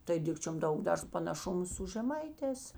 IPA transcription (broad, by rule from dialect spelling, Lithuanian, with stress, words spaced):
tɐɪ ˈdʲɪkt͡ʃʲoːm ˈdɐʊk ˈdɐr pɐnɐˈʃʊmʊ sʊ ʒʲɛˈmɐɪˌtʲɛːs